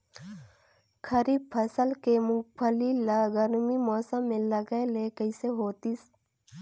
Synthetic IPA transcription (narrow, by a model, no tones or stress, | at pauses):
kʰəɾiːbpʰəsəlkemʊkpʰəlilaɡəɾmimɔːsəmːẽlɐɡaelekəɪseɦoːt̪is